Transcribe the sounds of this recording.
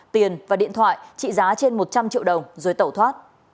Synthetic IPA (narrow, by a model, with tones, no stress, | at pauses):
t̪i˨˩ənvaː˨˩ɗḭ˧˨ənt̪ʰwa̰ː˧˨jt͡ɕḭ˧˨zaː˨˦t͡ɕe˧nmo˨˩t̚t͡ɕa˧mt͡ɕḭ˧˨əwɗə˨˩wŋ͡mzəː˨˦jt̪ə˧˩wt̪ʰwaː˦˥t̚